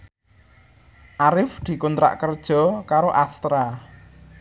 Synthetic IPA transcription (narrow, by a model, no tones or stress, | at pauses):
ʔaɾɪfd̪̥i̤kunt̪ɾa̰ʔkərd̥ʒ̥ɔ̤kaɾoʔast̪ɾa